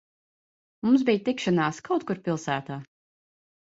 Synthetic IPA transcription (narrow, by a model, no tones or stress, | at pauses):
mumsbijt̪ikʃanaːskawt̪̚kuɾpʲilˠsæːt̪aː